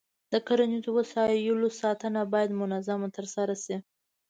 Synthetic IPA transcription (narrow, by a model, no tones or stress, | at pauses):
d̪̥əkaɾanit̪uwasɑjulosɑt̪anabɑjad̪mʊnazamat̪əɾsaɾasi